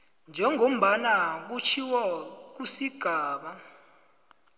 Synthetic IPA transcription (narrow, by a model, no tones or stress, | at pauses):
nd͡ʒʱɛŋʱom̩ɓanak̬ut͡ʃʰiwak̬usiɡ̥ʱaːɓa